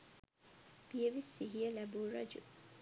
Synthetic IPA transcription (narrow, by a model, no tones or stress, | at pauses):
b̥ijeʋisːiɦijɐlæbuːɾɐ̰d͡ʒu